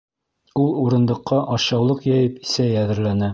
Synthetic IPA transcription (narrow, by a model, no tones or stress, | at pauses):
ulˠuɾɤ̆nd̪ɤ̆qːɑʔɑɕɑwlˠɤqjɑjɘpisæjæðɘ̆ɾlænæ